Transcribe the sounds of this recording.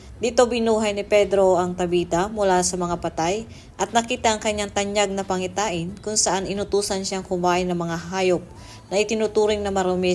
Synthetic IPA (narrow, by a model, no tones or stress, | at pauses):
d̪ɪt̪obɪnuːɦɐjnɪpɛd̪ɾo̞ʔɐŋt̪ɐbiːt̪ɐmʊlasɐmɐŋapɐt̪aj | ʔɐt̪̚nɐkiːt̪ɐʔɐŋkɐɲːaŋt̪ɐɲjaɡ̚nɐpɐŋɪt̪aːʔɪnkʊŋsɐʔanɪnʊt̪uːsɐnʃaŋkʊmbaːʔɪnɐmɐŋaɦaːjo̞p̚ | nɐʔɪt̪ɪnut̪uːɾɪŋnɐmɐɾomɛ